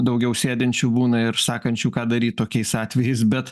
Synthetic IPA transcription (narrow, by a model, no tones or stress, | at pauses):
d̪ɐʊɡʲɛʊsʲeːd̪ʲɛnʲt͡ʃʲuːbuːnɐɪɾsɑːkɐnʲt͡ʃʲuːkɑːd̪ɐɾʲiːt̪t̪oːkʲɛɪsɑːt̪ʲʋʲɛjɛɪsbʲɛt̪